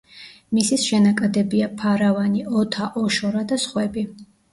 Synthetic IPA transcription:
misisʃɛnakʼad̪ɛbiapʰaɾavaniʔɔt̪ʰaʔɔʃɔɾad̪asχwɛbi

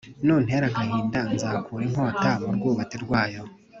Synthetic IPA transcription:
nuːn̥heɾaŋhahiːndanzakʰuɾiŋ̥oːtamab̚ɡuːβateɾɡwaːjo̞

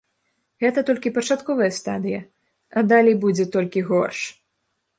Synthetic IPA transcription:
ɣɛt̪ɐt̪ɔlʲkʲipɐt͡ʂat̪kɔvɐjɐst̪a̰d̪ɨjɐ | ɐd̪alʲejbud͡zʲɛt̪ɔlʲkʲiɣɔrʂ

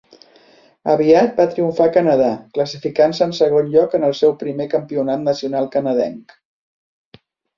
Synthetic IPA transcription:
əβiat̪̚bat̪ɾiuɱfakənəðakləsifikansəːnsəɣ̞onʎɔkənəlˠsɛwpɾimekəmpiunat̪nəsiunalˠkənəðɛ̰ŋk

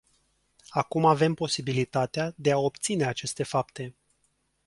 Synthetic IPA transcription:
akumave̞mpo̞sibilit̪at̪ead̪e̞ao̞pt̪sine̞at͡ʃe̞st̪e̞fapt̪e̞

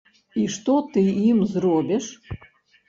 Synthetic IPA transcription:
iʂt̪ot̪ɨimzrobʲɛʂ

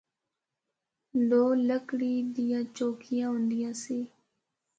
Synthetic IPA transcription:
loːləkɽiːd̪ɪjãːt͡ʃoːkʰɪjãːɦʊ̃ːnd̪ɪjãːsiː

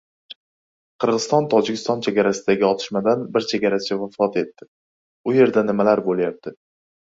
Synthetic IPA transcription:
qʰɨɾʁɨz̥st̪ɒnt̪ʰɒd͡ʒɪkʲʰɪ̥st̪ɒnt͡ʃʰe̞ɡʲaɾasɪd̪aɡʲɪɒt̪ʰɪ̥ʃmad̪anbɪɾt͡ʃʰeɡʲaɾat͡ʃʰavafɒt̪e̞t̪ːɪ | ʊje̞ɾd̪anɪmalaɾbolˠjap̚t̪ʰɪ

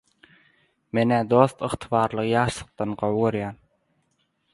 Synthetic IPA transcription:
menæd̪ost̪ɯχt̪ʰɯβɑːɾlˠɯʁjɑːʃlˠɯ̥q̚t̪ɑnɢowɡøɾjɑːn

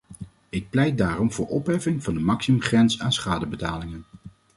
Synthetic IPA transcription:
ɪk̚plɛjt̚daːrɔmv̥ʊːɹɔpɦɛfɪŋvɑndəmɑksimɵmχrɛnsaːnsχaːdəbətaːlɪŋən

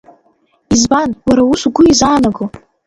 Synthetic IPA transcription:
izbanwaɾausuɡʷʊizaːnaɡo

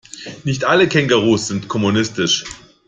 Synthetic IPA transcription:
nɪçtʔaləkʰɛŋɡɐʁuːsz̥ɪntkʰɔmunɪstɪʃ

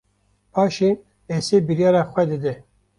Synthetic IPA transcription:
pɑːʃe | eːsebiɾjɑːɾɑːxʷwɛd̪ɨd̪ɨ

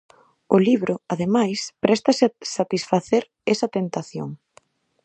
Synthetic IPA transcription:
ʊliβɾʊaðemajspɾɛst̪ɐsɪsat̪isfaθeɾ | ɛsɐt̪ent̪aθjo̰ŋ

